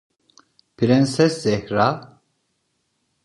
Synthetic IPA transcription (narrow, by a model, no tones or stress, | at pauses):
pʰiɾɛnsɛszɛhɾa